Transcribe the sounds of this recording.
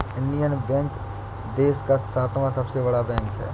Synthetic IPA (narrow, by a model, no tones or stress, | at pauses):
ɪ̃nɖijənbɛ̃ːŋk | d̪eːskasaːt̪ʰmãsɐbsebɐɽabɛ̃ːŋkɦɛ̰ː